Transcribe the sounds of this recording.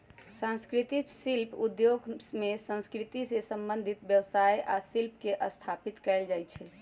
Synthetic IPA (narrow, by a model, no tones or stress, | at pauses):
sãnskɾit̪itsilpʰud̪joɡmesə̃nskɾit̪isesəmbənd̪ʱit̪bjəwsajʔasilp̚keʔəst̪ʰapit̪kɛɪld͡ʒajt͡ʃʰɛ